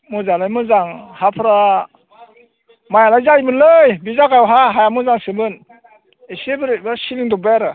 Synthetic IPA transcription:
mɯzalɯjmɯzaŋhapʰɯɾa | majalajzajbɯnlɯjbizakajwɦaɦajamuzaŋsɯbɯn | esebɯɾbɯsiliŋdɔbajaɾɯ

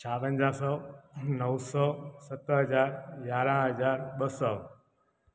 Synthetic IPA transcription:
t͡ʃʰaʋə̃ɲd͡ʒãsɔnəwsɔsət̪ːəɦəd͡ʒaːɾɡaːɾãːɦəd͡ʒaːɾɓəsɔ

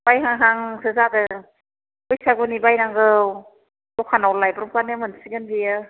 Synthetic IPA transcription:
bajɦaŋɦaŋsɯzadɯ | ɯjsaɡunibajnaŋɡɯw | dɔkʰanawlajbɾumkanɯmɯnsiɡɯnbijɯ

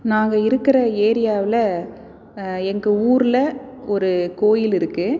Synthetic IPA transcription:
naːŋɡɐɪɾɯkːɪɾɐeːɾɪjaːʋɪlɐ | ɛŋɡɐuːɾlɐ | ɔɾɯkoːjɪlɪɾɯkːɯ

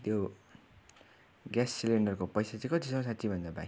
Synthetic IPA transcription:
t̪jo | ɡjasːileɳɖʌrkopʌjsat͡sĩkʌt̪isʌmsat͡sibʱʌnd͡zʌba̰

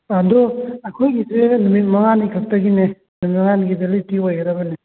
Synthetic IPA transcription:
andɔɐkʰojɡisenumit̚mɐŋanikʰak̚tɐɡinenumit̚mɐŋanɡibelitiojɐɾɐbɐne

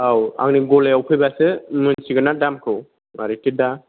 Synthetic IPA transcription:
awa̰ŋniɡɔlejawpʰɯjbasɯmɯnsiɡɯnadamkʰɯw | ma̰ɾitida

